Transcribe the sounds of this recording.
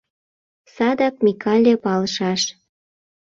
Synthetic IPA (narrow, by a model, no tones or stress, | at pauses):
sɑd̪ɑk̚mʲikʰɑlʲepɑlʃɑʃ